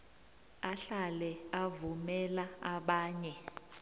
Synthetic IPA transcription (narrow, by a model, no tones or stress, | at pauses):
aɬalɛavumɛlaaɓaːɲɛ